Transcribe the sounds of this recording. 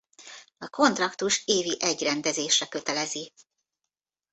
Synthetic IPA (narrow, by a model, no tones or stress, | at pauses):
ɒko̞nt̪rɒkt̪uʃeːviʔɛɟrɛnd̪ɛzeːʃrɛkø̞t̪ɛlɛzi